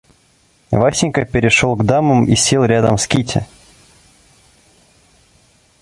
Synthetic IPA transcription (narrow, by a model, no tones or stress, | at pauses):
vasʲɪnʲkəpʲɪɾʲɪʂolˠɡd̪aməmḭsʲelˠɾʲad̪ə̰mskʲitʲɪ̰